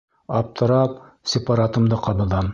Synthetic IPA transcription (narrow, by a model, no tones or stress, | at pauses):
ɑp̚t̪ɤ̆ɾɑp̚ | sʲɪpaɾat̪ɤ̆md̪ɤqɑbɤ̆lˠɑm